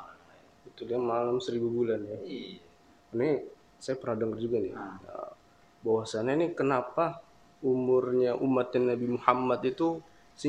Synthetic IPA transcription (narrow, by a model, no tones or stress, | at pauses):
ɡit̪uliamalamsəɾibubulana | karni | sajapəɾadaŋərd͡ʒuɡanɪə̰ | bawasananikənapa | umʊrɲaʔumːat̪ɪnːabimuhamːat̪it̪u | sə